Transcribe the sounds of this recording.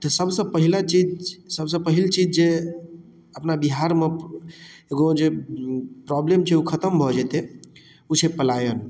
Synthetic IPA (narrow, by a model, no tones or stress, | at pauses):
t̪əsəbsə̃pəɦilat͡ʃid͡ʒsəbsə̃pəɦilt͡ʃid͡ʒd͡ʒe | əpnabiɦaɾme | eɡod͡ʒe | pɾɔblemt͡ʃʰeukʰət̪əmbʱɔd͡ʒɛt̪e | ut͡ʃʰepəlajən